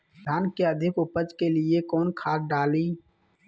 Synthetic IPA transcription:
d̪ʱaːnkeəd̪ʱɪkʊpəd͡ʒkelɪekɔːnkʰaːtɖaːliː

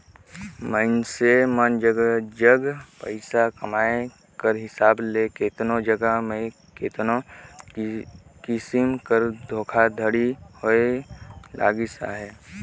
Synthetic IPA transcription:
məɪnsemənd͡ʒəɡəd͡ʒəɡpə̰ɪsakəmaːe | kəɾɦɪsaːblekeːt̪nod͡ʒəɡəɦmẽ | keːt̪no | kɪsɪmkəɾd̪ʱoːkʰad̪ʱəɽihoelʔa̰ːɡisa̰ɦɛː

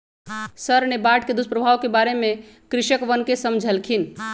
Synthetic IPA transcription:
səɾnebaʈked̪uspɾəbʱaʋkebaɾemẽ | kɾɪʃəkʋənkesəmd͡ʒʱəlkʰin

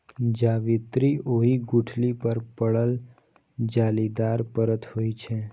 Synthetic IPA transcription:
d͡ʒaʋɪt̪ɾioɦiɡʊʈʰlipəɾpəɭəl | d͡ʒaːlid̪aɾpəɾət̪hoit͡ʃʰe

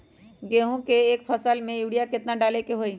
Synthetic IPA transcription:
ɡeːɦõkeːkpʰəsəlmẽjuːɽijakɪt̪naɖaːlekeɦoːi

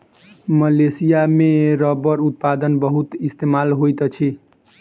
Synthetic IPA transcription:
məlesijameɾəbəɾut̪̚pad̪ənbəɦut̪ist̪emalɦojt̪t͡ʃʰi

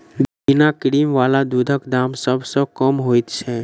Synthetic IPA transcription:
bbɪnakɽiːmʋaːlad̪uːd̪ʱəkd̪aːmsəbsəkəmɦoːit̪t͡ʃʰɛ

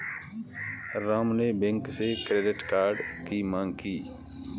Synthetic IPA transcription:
ɾaːmneːbɛ̃ŋksekɾeːɖɪʈkaːɾɖkimãːŋɡkiː

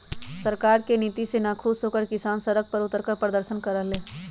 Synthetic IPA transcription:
səɾkaɾkenit̪isenakʰubsokəɾkisansəɾək̚pəɾʊt̪ːəɾkəɾpɾəd̪əɾsənkəɾəɦle

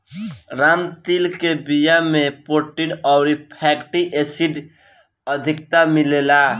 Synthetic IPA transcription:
ɾamt̪ilkebijamepoʈiɽɔwɾipʰɛkʈiʔesiɖ | əd̪ʱik̚t̪amilela

